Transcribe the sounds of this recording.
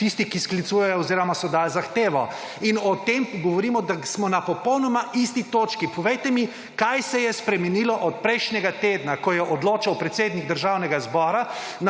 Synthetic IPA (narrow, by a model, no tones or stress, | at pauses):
t̪ist̪ikisklit̪sujɛjɔːziːɾɔmasɔd̪alzaxt̪eːʋɔ | inɔt̪emɡɔʋɔɾiːmɔd̪asmɔnapɔpɔwnɔmaʔist̪it̪oːt͡ʃkipɔʋejt̪ɛmi | kajsɛjɛspɾɛmɛnilɔʔɔt̪̚pɾɛjʃnʲɛɡat̪eːd̪nakɔjɛʔɔd̪loːt͡ʃawpɾɛt̪seːd̪niɡ̚d̪əɾʒawnɛɡazbɔɾa | n